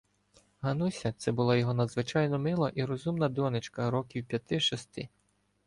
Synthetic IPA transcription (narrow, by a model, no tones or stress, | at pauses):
ɦɐnusʲɐt̪sɛbʊlˠajɔɦɔnɐd̪zʋɪt͡ʃɑjnɔmɪlˠɐʔiɾɔzumnɐd̪ɔnɪt͡ʃkɐɾɔkʲiwpʲjɐt̪ɪʃɔst̪ɪ